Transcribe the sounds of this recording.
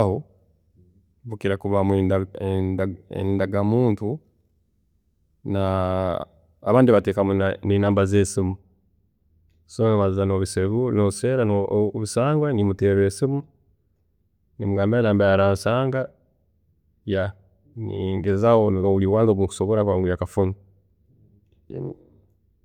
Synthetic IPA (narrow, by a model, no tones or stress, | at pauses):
ho | βukiɾakuβamwe | ḛndaɡamuːntu | na | aβaːndiβateːkamuninaːmbazesimu | sonaβazizano̞βiseβunoseːɾanoβisaːŋɡwanimuteɾesimu | nimuɡaːmbijanaːmbajaɾaːnsaːŋɡa | ja | nḭŋɡezawonouliwaːnzoβuku̥so̞βoɾakwaːŋɡujakafunu